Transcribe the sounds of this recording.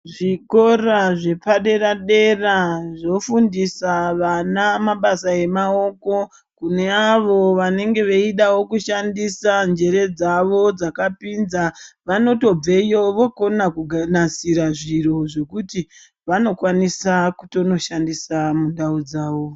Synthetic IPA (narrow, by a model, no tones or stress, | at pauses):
ʐiko̞raʐe̞paɗe̞ɾaɗe̞raʐo̞fundisaʋanamaɓasae̞mao̞ko̞ | kune̞aʋo̞ʋane̞ŋɡe̞ʋeiɗawo̞kuʃandisand͡ʒe̞ɾe̞d͡zaʋo̞d͡zakapinzaʋano̞to̞b͡vejoʋoko̞nakuɡʱanasiɾaʐiɾo̞ʐe̞kuti | ʋano̞kwanisakuto̞no̞ʃandisamunɗaud͡zaːʋo̞